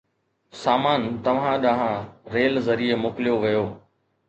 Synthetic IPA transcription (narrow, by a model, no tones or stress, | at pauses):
saːmaːnt̪ɐʋ̤ãɗɐ̃ɦãɾeːlzɐɾiemoːkɪlijoʋijoː